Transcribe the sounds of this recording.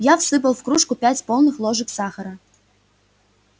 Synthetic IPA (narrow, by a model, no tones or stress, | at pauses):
jafsɨp̬əlˠfkɾuʂkupʲætʲpolˠnɨxlˠoʒɨ̆ksɑxə̆ɾə